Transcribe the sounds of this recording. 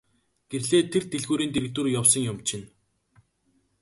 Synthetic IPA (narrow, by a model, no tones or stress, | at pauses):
ɡ̥erɮeːt̪ʰert̪eɮɣuːɾiːnt̪eɾɘ̆k̚t̪ŭrjawsə̆ŋjʊmt͡ɕɪ̆n